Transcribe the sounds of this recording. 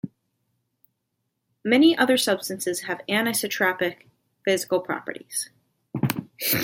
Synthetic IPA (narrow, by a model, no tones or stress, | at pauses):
mɛniʔʌðə˞sʌb̥stɨ̃nsɨz̥ɨvænɨsɨtʰɹ̥æpɨk | fɪzɨkl̩ˠpʰɹ̥ɑ̰pə˞ɾḭz̥